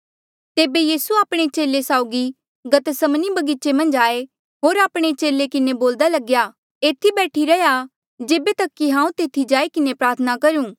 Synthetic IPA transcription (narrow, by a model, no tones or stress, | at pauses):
t̪eːbejiːsuaːpɽ̃et͡ʃeːlesaːʊɡi | ɡɐt̪sɐmnibɐɡit͡ʃemɐ̃nd͡ʒaːe | ɦoːɾaːpɽ̃et͡ʃeːlekɪneboːld̪alɐɡja | eːt̪ʰibɛːʈʰiɾɐja | d͡ʒeːbet̪ɐkːiɦãːũt̪eːt̪ʰid͡ʒaːikɪnepɾaːɾt̪ʰənakɐɾũː